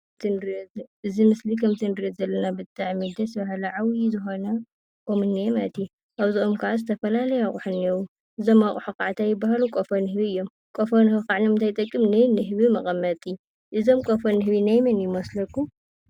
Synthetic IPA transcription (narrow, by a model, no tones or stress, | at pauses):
t̪ʰɨnɾʔɨzimɨslikʰɐmt̪ʰɨnɨɾɐzɐlːɐnabɨt̪ʰʼːaʕmid̪ɐsɐβɐhalɐʕawizɨxo̞nɐ | kʼomɨnːimat̪ʰi | ʔaβziomkʰɐʕazɨt̪ʰɐfɐlalɐjaχʼuħɨnewu | ʔɨzo̞maχʼuħukʼaʕt̪ʰajɪbaɦalukʼofɐnɨhɨβiɨjːo̞m | kʼofɐnhukaʕnimɨnt̪ʰajt̪ʼɐkʼːɨmnɨjnɨɦɨβimɐχʼɐmːɐt̪ʼiju | ʔɨzo̞mkʼofɐnɨɦɨβinajmɐnjɪmoslɐkːu